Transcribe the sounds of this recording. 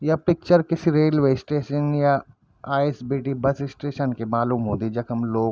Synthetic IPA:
japɪk̚t͡ʃəɾkɪsiɾeːlʋeːsʈeːʃənja | aːesbiːʈibɐsɪsʈeːʃənkemaːluːmɦõːd̪id͡ʒɐkɦɐmloːɡ

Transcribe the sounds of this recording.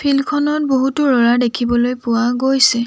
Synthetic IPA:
pʰilkʰɔnɔt̚boɦutʊɹɔɹadekʰibɔlojpʊwaɡojsɛ

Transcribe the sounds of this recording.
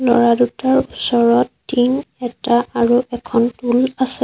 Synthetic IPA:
lɔ̰ɹadutaɹusɔɹɔtː | iŋɛtaːɹuʔɛkʰɔntulasɛ

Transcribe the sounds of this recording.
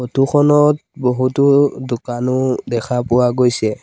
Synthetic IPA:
otuxʰɔnɔt̚boɦutʊdʊkanʊdɛkʰapʊwaɡojsɛ

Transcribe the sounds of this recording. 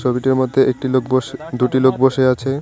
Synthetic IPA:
ʃɔbiʈeɾmod̪ʱːeʔek̚ʈilokboʃd̪uʈilok̚boʃeat͡ɕʰe

